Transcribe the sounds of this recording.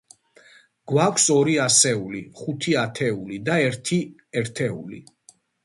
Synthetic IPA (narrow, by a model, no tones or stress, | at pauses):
ɡ̥wakʷʰsɔɾiasɛuliχut̪ʰiat̪ʰɛulid̪aɛɾt̪ʰiɛɾt̪ʰɛṵlḭ